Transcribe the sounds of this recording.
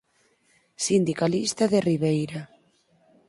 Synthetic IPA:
sind̪ikalist̪aðeriβejɾa

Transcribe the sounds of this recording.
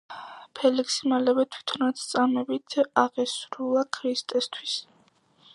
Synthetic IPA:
pʰɛliksimalɛvɛt̪ʰwi̥t̪ʰɔnat̪st̪sʼamɛbit̪ʰaʁɛsɾulˠakʰɾist̪ʼɛst̪ʰwis

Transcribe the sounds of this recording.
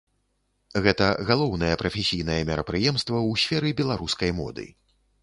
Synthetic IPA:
ɣɛt̪ɐɣalˠɔwnɐjɐpɾɐfʲɛsʲijn̪ɐjɛmʲɛɾɐpɾɨjɛmst̪vɐwsʲfʲɛɾɨbʲɛlˠaɾuskɐjmɔ̰d̪ɨ̰

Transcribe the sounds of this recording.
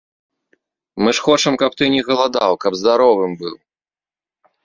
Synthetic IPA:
mɨʂxɔt͡ʂɐmkɐp̚t̪ɨnʲɛɣɐlˠad̪awkɐbzd̪aɾɔvɨmbɨw

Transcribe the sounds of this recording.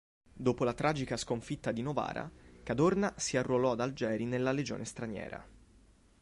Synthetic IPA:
d̪oːpolat̪ɾʔaːd͡ʒikaskoɱfit̪ːad̪inova̰ːɾa̰kad̪ornasiarːolɔad̪ald͡ʒɛːɾinelːaled͡ʒo̰ːnest̪ɾanjɛ̰ːɾa̰

